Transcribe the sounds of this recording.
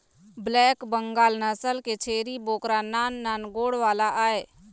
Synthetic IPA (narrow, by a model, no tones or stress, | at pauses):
blɛːkbəŋɡaːlnəsəlket͡ʃʰeːɾiboːkɾanaːnːaːnɡoːɽʋaːlaʔaːe